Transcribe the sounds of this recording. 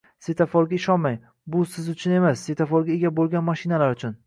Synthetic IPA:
set̪ʰafɒɾɡʲaɪʃɒnmaj | bʊsɪzʊt͡ʃʰʊne̞masːe̞t̪ʰafɒɾɡʲaeɡʲabolˠɡʲanmaʃɪnalaɾʊt͡ʃʰʊn

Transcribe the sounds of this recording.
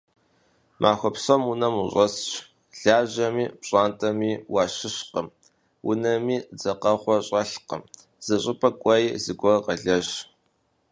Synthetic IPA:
mʔaːxʷɔpsomunɐmuɕʷʼɐsɕ | ɮ̥aːʑɐmiːpɕʼaːntʼɐmiːwɑːɕɪɕqəm | wʔʊnɐmiːd͡zɐqɐχʷɔɕʼɐɬqə̰m | z̥ɨɕʼɪpʰʼɐkʷʼɐjizɨɡʷɔrqɐɮɐʒ

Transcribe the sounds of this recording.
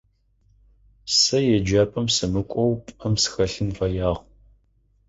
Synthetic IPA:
sɐjɛd͡ʒaːpʼɐmsɨmɨkʷʼɔwpʼɐmsɨ̥xɐɬɨnfɐjaːʁ

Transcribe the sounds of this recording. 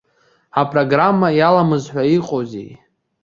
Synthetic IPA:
apʼro̞ɡramːajalamɨzħʷᶣaiqʼozḛj

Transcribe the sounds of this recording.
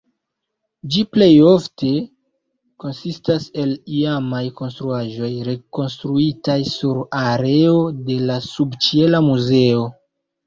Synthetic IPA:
d͡ʒiple̞jo̞fte̞ | ko̞nsistase̞liamajko̞nstɾuaʒo̞jɾe̞ko̞nstɾuitajsuɾaɾe̞o̞de̞lasubt͡ʃie̞lamuze̞o̞

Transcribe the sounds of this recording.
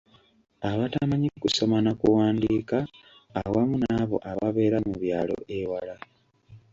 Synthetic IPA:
aβatamaɲikuso̞manakuwaːndiːkaː | wamunaβo̞̰ʔaβaβe̞ːɾamuβja̰ːlo̞̰ʔewala

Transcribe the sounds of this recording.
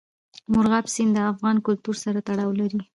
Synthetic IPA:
mʊɾɣabsind̪əafɣɑnkʊlt̪uɾsaɾat̪aɽɑwlaɾi

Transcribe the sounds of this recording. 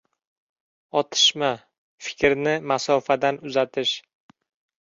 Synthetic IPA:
ɒt̪ʰɪ̥ʃma | fɪ̥kʲɾnɪmasɒfad̪anʊzat̪ʰɪʃ

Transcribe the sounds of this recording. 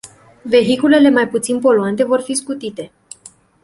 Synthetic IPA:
ve̞ɦikule̞le̞majput̪sinpo̞luant̪e̞vo̞rfiskut̪it̪e̞

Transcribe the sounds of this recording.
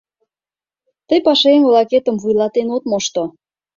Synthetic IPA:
t̪əjpɑʃeŋolɑket̪ə̆mvujlɑt̪enot̪moʃt̪o

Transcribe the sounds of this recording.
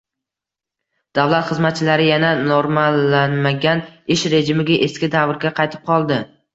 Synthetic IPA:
d̪̥avlˠat̪χɨzmat̪̚t͡ʃʰɪlaɾɪjananoɾmalːanmaɡʲanɪʃɾe̞d͡ʒɪmɪɡʲaʔeskʲɪd̪avɾɡʲaqʰɑjt̪ʰɪ̥p̚qʰɒlˠd̪ɪ

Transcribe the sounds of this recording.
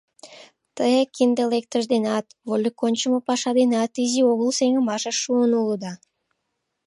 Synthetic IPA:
t̪əjekʲind̪elek̚t̪əʒd̪enɑt̪volʲikonʲt͡ɕəməpɑʃɑd̪enɑt̪izioɣəlˠseŋə̆mɑʃəʃuənuləd̪ɑ

